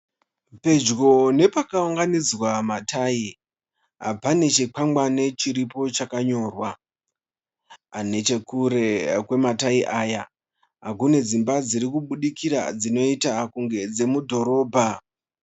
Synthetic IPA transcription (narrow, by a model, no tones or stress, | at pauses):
pe̞d͡ʒɡo̞ne̞pakauŋɡanid͡zwamatʰaːi | ɦa̰pane̞t͡ʃek͡pamɡ͡bane̞t͡ʃiɾipo̞t͡ʃakaɲo̞ːrwa | ane̞t͡ʃe̞kuɾe̞kwe̞mataiʔaːja | ɦakune̞d͡zimbad͡ziɾikuɓuɗikʰiɾa̰d͡zino̞itakuŋɡe̞d͡ze̞mudʱo̞ɾo̞ːbʱa